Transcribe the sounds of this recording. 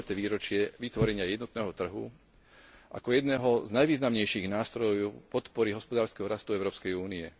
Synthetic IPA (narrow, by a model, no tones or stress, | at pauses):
at̪ɛːʋiːɾɔt͡ʃɪɛʋit̪ʋɔɾɛɲɪajɛd̪nɔt̪̚nɛːɦɔt̪r̩ɦṵ | ʔa̰kɔjɛd̪nɛːɦɔznajʋiːznamɲɛjʃiɣnaːst̪ɾɔjɔpɔt̪pɔɾiɦɔspɔd̪aːɾskɛɦɔɾast̪uɛʊɾɔːpskɛjuːniɛ